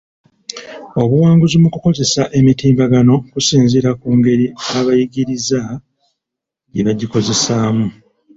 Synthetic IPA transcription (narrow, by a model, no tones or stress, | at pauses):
o̞βuwaːŋɡuzimukuko̞ze̞saʔe̞mitiːmbaɡano̞kusiːnziɾakuːŋɡe̞ɾiaβajiɡiɾiza | ɟeβaɟiko̞ze̞saːmu